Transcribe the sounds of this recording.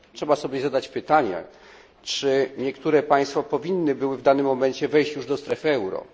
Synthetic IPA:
tʂɛbasɔbʲjɛzad̪at͡ɕpɘt̪aɲɛ̰ | t͡ʂɘɲɛkt̪uɾɛpaj̃st̪fapɔvʲinːɘbɘwɘvd̪anɘmːɔmɛɲt͡ɕɛvɛjɕt͡ɕjuʐd̪ɔst̪ɾɛfɘɛwɾɔ̰

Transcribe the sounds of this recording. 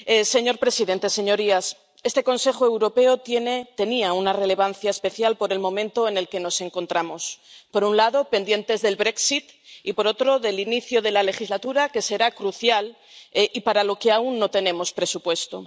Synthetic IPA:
ese̞ɲo̞ɾpɾe̞siðe̞nt̪e̞se̞ɲo̞ɾias | e̞st̪e̞ko̞nse̞xoe̞wɾo̞pe̞ot̪jenet̪e̞niaunare̞le̞β̞an̟θjaespe̞θjalpo̞ɾe̞lmõ̞mẽ̞nt̪o̞ene̞lke̞no̞se̞ŋko̞nt̪ɾamo̞spo̞ɾunlaðo̞pe̞nd̪je̞nt̪e̞zðe̞lβɾe̞ksit̪ipo̞ɾo̞t̪ɾo̞ðe̞liniθjoð̞e̞lale̞xizlat̪uɾake̞se̞ɾakɾuθjal | ʔipaɾalo̞keaunːo̞t̪e̞nẽ̞mo̞spɾe̞supwe̞st̪o̞̰

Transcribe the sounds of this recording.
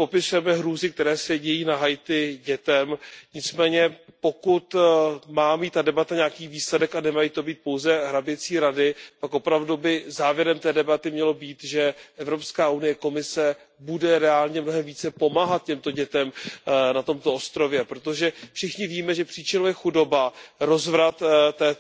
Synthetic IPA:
po̞pɪsujɛmɛɦɾuːzɪk̚t̪ɛɾɛːsɛɟɛjiːnaɦajt̪ɪɟɛt̪ɛmɲɪt͡smɛːɲɛpo̞kut̪maːmiːt̪ːadɛbat̪aɲaakiːviːslɛdɛkanɛmajiːt̪o̞biːt̪̚po̞wzɛɦɾabɪt͡siːɾadɪpakʔo̞pɾavdubɪzaːvjɛɾɛmt̪ɛːdɛbat̪ɪmɲɛlo̞biːt̪ʒɛʔɛvɾo̞pskaːunɪjɛko̞mɪsɛ | budɛɾɛaːlɲɛmno̞ɦɛmviːt͡sɛpo̞maːɦat̪̚cɛmt̪o̞ɟɛt̪ɛmnat̪o̞mt̪o̞ost̪ɾo̞vjɛpɾot̪o̞ʒɛfʃɪxɲɪviːmɛʒɛpr̝̥iːt͡ʃɪnojɛxudo̞baɾo̞zvɾat̪t̪ːɛː

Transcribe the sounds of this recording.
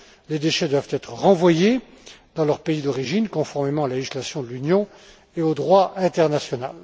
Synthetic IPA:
led̪eʃɛd̪wavt̪ɛt̪χəʁɑ̃vwaje | d̪̥ɑ̃lœʁpeid̪ɔʁiʒinkɔ̃fɔʁmemɑ̃aleʒislasjɔ̃d̪əlynjɔ̃ | eod̪ʁwaʔɛ̃t̪ɛʁnasjɔna̰l

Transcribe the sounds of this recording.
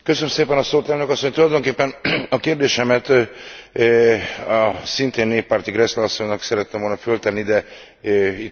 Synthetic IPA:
køsønømseːpɛnɒsoːt̪ɛlnø̞kɒsːoɲt̪ulɒjd̪o̞ŋkeːpːɛnɒkeːrd̪eːʃɛmɛt̪ | ɒsint̪eːnːeːpːaːrt̪iɡrɛslɛɒsːoɲnɒksɛɾɛt̪ːɛmʋolnɒfølt̪ɛnːid̪ɛ | it̪

